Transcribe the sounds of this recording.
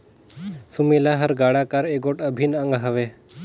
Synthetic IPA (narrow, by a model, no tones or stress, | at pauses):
sumilaɦəɾɡaːɽakaɾeːɡoʈəbʱinə̃ŋɡɦəʋeː